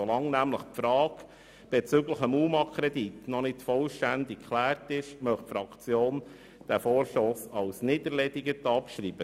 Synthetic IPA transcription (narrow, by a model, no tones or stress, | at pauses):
solɑŋnæmləχfɾɑːk | b̥ɛt͡sʏɡləχəmuːmɑkʰɾɛditnɔnɪtfɔlʃtændɪkkʰlæːrtɪʃmœχtfɾɑkt͡sjoːn | d̥æfoːɾʃtosɑʊsnɪdəɾlɛdiɡətɑpʃɾiːb̥ə